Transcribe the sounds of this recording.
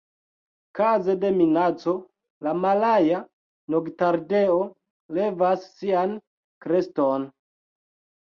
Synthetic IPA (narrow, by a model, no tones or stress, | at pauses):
kaze̞de̞minat͡so̞ | lamalaja | noɡtaɾdeo | le̞vasːian | kɾe̞ston